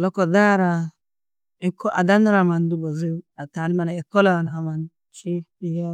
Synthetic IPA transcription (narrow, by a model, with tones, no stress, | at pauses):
lɔ˦kɔ˨da˦ɾa˨ | i˦kʰɔ˦ʔa˨da˦n˦ɾa˨ma˨n˦du˦bɔ˨zi˦a˨ta˨ni˦ma˨na˨ɛ˨kɔ˦la˦˨na˨ɦa˨ma˨n | t͡ʃi˦i˦ja˦